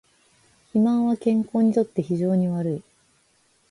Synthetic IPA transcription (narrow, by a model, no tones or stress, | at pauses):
çimãɰ̃βakẽ̞ŋko̞ːɲ̟it̪o̞t̪ːe̞çiʑo̞ːɲ̟iβaɾɯ̟i